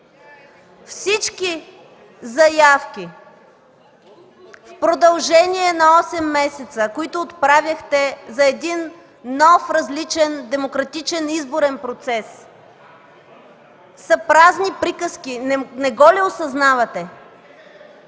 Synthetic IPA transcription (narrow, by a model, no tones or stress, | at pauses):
fsit͡ʃki | zɐjafkʲi | fpɾod̪ɐlˠʒɛniɛnɐɔsɛmːɛsɛt̪səkoit̪ʊːt̪pɾavʲjəxt̪ɛzɐɛd̪inː | ɔfɾɐzlit͡ʃɛnd̪ɛmokɾɐt̪it͡ʃɛnizboɾɛnpɾot̪sɛs | sɐpɾaznipɾikəskinɛɡɔlɛosɐznavɐt̪ɛ